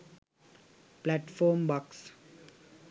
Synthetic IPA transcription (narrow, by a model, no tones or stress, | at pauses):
plæʈfɔːɾmbaks